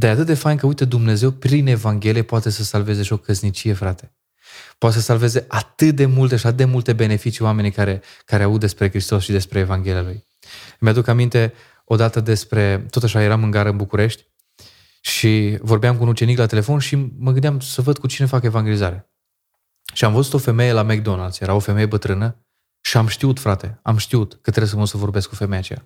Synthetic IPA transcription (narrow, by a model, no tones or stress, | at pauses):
d̪ajat̪ɨt̪̚d̪e̞fajnkəujt̪ed̪umne̞ze̞wpɾine̞vaŋɡʲe̞liepoat̪e̞səsalve̞ze̞ʃio̞kəznit͡ʃije̞fɾat̪e̞ | poat̪esəsalve̞ze̞ʔat̪ɨt̪̚d̪e̞mult̪eʃiat̪ɨt̪d̪e̞mult̪ebe̞ne̞fit͡ʃioame̞nijkaɾe̞kaɾeaut̪̚d̪e̞spɾe̞kɾist̪o̞sʃid̪e̞spɾe̞ːvaŋɡʲe̞lijaluj | mead̪ukamint̪e̞ | o̞d̪at̪əd̪e̞spɾe̞t̪o̞t̪aʃaje̞ɾamɨŋɡaɾəɨnbukuɾe̞ʃt̪ʲ | ʃivo̞rbeamkunut͡ʃe̞niklat̪e̞le̞fo̞nʃiməɡɨnd̪eamsəvəd̪̚kut͡ʃine̞fake̞vaŋɡʲe̞lizaɾe̞ | ʃiamvəzut̪o̞fe̞me̞jelamek̚d̪o̞nald̪sje̞ɾao̞fe̞me̞je̞bət̪ɾɨnə | ʃiamʃt̪iut̪fɾat̪e̞amʃt̪iut̪kət̪ɾes̬əmusəvo̞rbe̞skufe̞mejat͡ʃeja̰